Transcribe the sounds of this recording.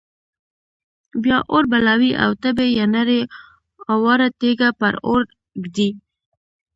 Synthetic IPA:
bjɑʔoɾbalɑwiʔa̰wt̪əbejanaɾe | awɑɾat̪eɡapaɾo̰ɾ | ɡd̪i

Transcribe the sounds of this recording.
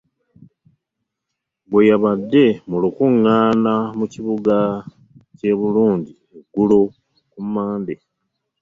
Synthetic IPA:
bwe̞jaβadːe̞mulukuŋːaːnamuciβuɡa | ce̞βuluːɲɟi | eɡulo | kumaːnde

